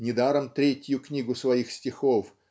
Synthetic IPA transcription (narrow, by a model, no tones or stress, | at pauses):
nʲɪd̪aɾəmt̪ɾʲetʲjʊknʲiɡʊsvɐixsʲtʲɪxof